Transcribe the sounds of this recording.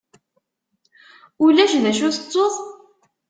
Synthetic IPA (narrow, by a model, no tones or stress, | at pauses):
ulæʒnæʃuθət͡sːoðˤ